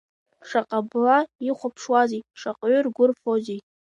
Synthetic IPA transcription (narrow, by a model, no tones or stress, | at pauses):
ʂaqʼablaiχʷʊpʰʂwazijʂaqʼɥʏrɡʷʊrfozij